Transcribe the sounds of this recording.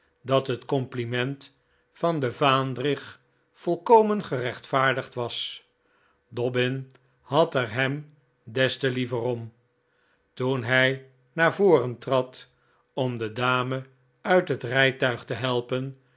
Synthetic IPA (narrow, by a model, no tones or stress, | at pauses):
dɑtɦətkɔmplimɛnt | fɑndəvaːndrɪχ | fɔlˠkowmənχərɛχtfaːɹdəχtʋɑs | dɔbɪn | hɑtɛɹɦɛm | dɛstəlivərɔm | tunɦɛj | naːɹvoːrəntrɑt | ɔmdədaːmə | œɥtɦətrɛjtœɥχtəɦɛlˠpən